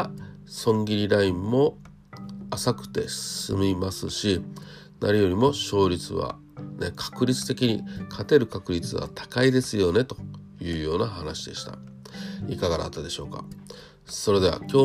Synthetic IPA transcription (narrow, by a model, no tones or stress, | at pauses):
sõ̞ŋɡʲiɾʲiɾaĩmːo̞ | asakɯ̟̥t̪e̞ssɨ̰mʲimasɨɕi | nʔa̰ɾʲijo̞ɾʲimo̞ɕo̞ːɾʲit͡sɨ̰βa̰ | nekʰḁkɯ̟ɾʲit͡sɨ̥t̪e̞kʲiɲ̟ikʰat̪e̞ɾɯ̟kakɯ̟ɾʲit͡sɨβa̰t̪ʰḁkaid̪e̞sɨjo̞ne̞t̪o̞̥ | jɯ̟ːjo̞ːnahanaɕid̪e̞ɕi̥t̪a̰ | ikaɡad̪a̰t̪ːad̪e̞ɕo̞ːka̰ | so̞ɾe̞d̪e̞β̞a̰kʲo̞ː